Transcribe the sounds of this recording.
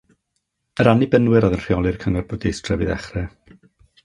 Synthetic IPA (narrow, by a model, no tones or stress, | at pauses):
əɾanibənwɨɾɔðənr̥iɔlˠɨrkʰəŋɔrbodiestʰr̥ɛvɨðɛ̰χrɛ